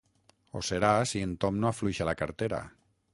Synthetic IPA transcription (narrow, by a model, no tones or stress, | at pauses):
o̰seɾasient̪omnoafluiʃalakaɾt̪eɾa̰